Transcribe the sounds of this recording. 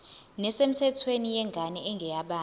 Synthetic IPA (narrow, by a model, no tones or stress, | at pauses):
nɛsem̩tʰɛtʰwenijɛŋɡʱanɛɛŋɡʱɛjaɓaː